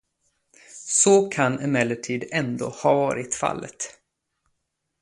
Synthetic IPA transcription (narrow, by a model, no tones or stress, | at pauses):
sɔkʰanɛmɛlːəʈʰiːd̪ɛnd̪o̰ːhɑvɑːɾɪt̪fa̰lːə̰t̪